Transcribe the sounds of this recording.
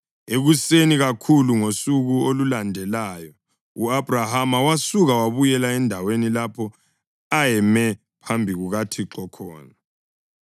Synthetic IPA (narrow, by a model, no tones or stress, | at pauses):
eɣuseniɣakʰuluŋosuɣuolulandʱɛlaːjɔ | uabrahamawasuɣawaβujɛlaɛndʱawenilapʰɔ | ajɛmɛ | pʰambʱiɣuɣatʰiǁɔkʰɔ̰ːna